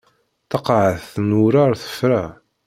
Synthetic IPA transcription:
θɑqʕəθnuɾaɾθə̥fɾæ

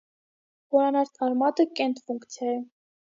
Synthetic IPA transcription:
bɔɾɑnɑɾt̪ʰɑɾmɑt̪əkɛnt̪fuŋkt͡sʰjɑjə

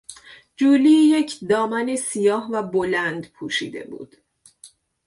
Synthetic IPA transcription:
d͡ʒuːlijecʰd̪ɒːmænisijɒːhvæbolænd̪pʰuːʃḭːd̪e̞̰bṵːd̪̥

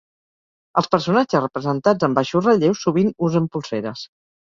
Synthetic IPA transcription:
əlˠspəɾsunad͡ʒəzrəpɾəzənt̪ad͡zəmbaʃusrəʎewsːuβinuzəmpulˠseɾəs

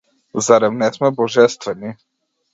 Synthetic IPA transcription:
zaɾɛvnɛsmɛbɔʒɛst̪vɛni

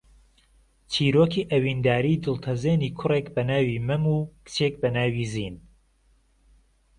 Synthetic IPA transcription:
t͡ʃʰiːɾoːkʰiːʔɐwiːnd̪aːɾiːd̪ɨlˠt̪ʰɐzeːniːkʰʊrekbɐnaːwiːmɐmuːkɨ̥t͡ʃʰeːk̚bɐnaːwiziːn

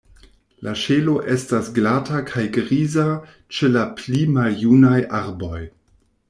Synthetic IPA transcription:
lʔaʃelo̞ʔestasɡlatakʰajɡɾiza | t͡ʃelaplimaljunajʔaɾbo̞j

